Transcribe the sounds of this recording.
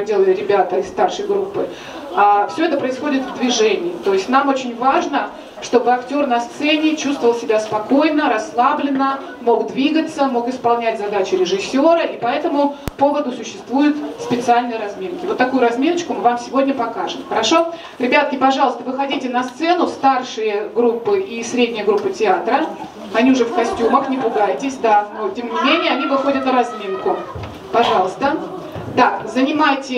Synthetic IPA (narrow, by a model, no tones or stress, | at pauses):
dʲelˠəlʲɪɾʲɪbʲat̪əɪst̪arʂəjɡɾupːɨ | afsʲɵɛt̪əpɾəɪsxo̞dʲɪt̪vd̪vʲɪʐɛnʲɪːt̪o̞jɪsʲtʲnamot͡ɕɪnʲvaʐnə | ʂt̪o̞bɨɐktʲo̞rnɐst̪sɛnʲɪt͡ɕust̪vəvəlˠsʲɪbʲaspɐko̞jnəɾɐslˠablʲɪnə | mo̞ɡd̪vʲiɡət̪səmo̞kɪspɐlˠnʲætʲzɐd̪at͡ɕɪɾʲɪʐɨsʲːo̞ɾəʔipɐɛt̪əmʊpo̞vəd̪ʊsʊɕːɪst̪vujʊt̪spʲɪt̪sɨalʲnəjəɾɐzmʲenkʲɪvo̞t̪ːɐkujʊɾɐzmʲenət͡ɕkʊmɨvamsʲɪvo̞dʲnʲəpɐkaʐɨmxəɾɐʂo̞ | ɾʲɪbʲat̪̚kʲɪpɐʐɑlˠəst̪əvɨxɐdʲitʲɪnɐst̪sɛnʊst̪arʂɨjəɡɾupːɨʔisɾʲedʲnʲɪjəɡɾupːɨtʲɪat̪ɾə | ɐnʲiʊʐɛfkɐsʲtʲuməxnʲɪpʊɡajɪtʲɪsʲd̪anotʲemnʲɪmmʲenʲɪjəɐnʲivɨxodʲət̪nəɾɐzmʲinkʊ | pɐʐɑlˠəst̪ə | d̪akzənʲɪmajtʲɪ